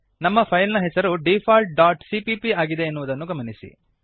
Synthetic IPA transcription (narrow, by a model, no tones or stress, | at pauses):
nɐmːɐpʰɐjlnɐɦɛsɐɾuɖipʰaːlʈ̚ɖaːʈsipipiaːɡid̪e̞ːnːuʋud̪ɐnːuɡɐmɐnisḭ